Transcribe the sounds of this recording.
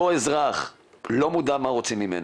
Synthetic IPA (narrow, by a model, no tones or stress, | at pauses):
oezʁaχ | lo̞mud̪amaʁo̞t͡simːimḛna